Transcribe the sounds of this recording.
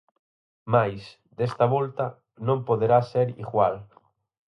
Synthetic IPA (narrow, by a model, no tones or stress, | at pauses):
majs | d̪est̪ɐβolt̪ɐ | nõmpoðeɾaseɾḭɣwal